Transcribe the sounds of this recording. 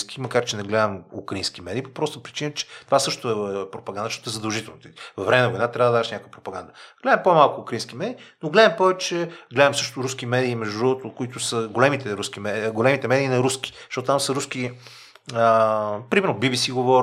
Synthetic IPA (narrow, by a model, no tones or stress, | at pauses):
skimɐkaɾt͡ʃɛnɛɡlɛd̪əmṵkɾɐinsk̟imɛd̪ʲiːpopɾɔst̪əpɾit͡ʃinət͡ʃɛ̥t̪ovasɤʃt̪ʊɛpɾopɐɡanəʃtɔt̪oɛzəd̪ɐlˠʒit̪ɛlˠnot̪ivɐvɾɛmɛnvoid̪at̪ɾʲavəd̪aʃnʲakvəpɾopɐɡand̪əɡ̥lɛd̪əmpomalˠkʊːkɾəɐinsk̟imɛd̪iːnoɡlɛd̪əmpɔvɛt͡ʃɛɡlɛd̪ɐmsɤʃt̪ʊɾuskimɛd̪iːmɛʒd̪uɾɔvot̪okʊit̪ʊsəɡolɛmit̪ɛɾuskimɛɡolɛmit̪ɛmɛd̪iːnɐɾuski̥zt̪ɔt̪ot̪amsəɾusk̟i | əpɾimɛɾnobibisiɡovɔɾ